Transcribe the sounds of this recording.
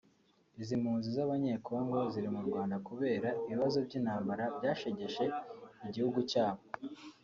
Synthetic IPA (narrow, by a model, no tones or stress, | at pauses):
izimhuːnzizaβaɲe̞ːkʰo̞ːŋɡo̞ziɾimuɾɡwaːndakuβe̞ːɾaiβiβazo̞bɟiːnhaːmbaɾabɟaːʃe̞ɟe̞ʃe̞iɟihuɡucaːβo